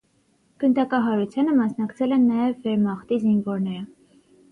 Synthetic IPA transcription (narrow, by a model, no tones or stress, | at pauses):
ɡ̥ənd̪ɑkɑɦɑɾut͡sʰjɑnəmɑsnɑkt͡sʰɛlɛnːɑjɛvːɛɾmɑχt̪izinvɔɾnɛɾə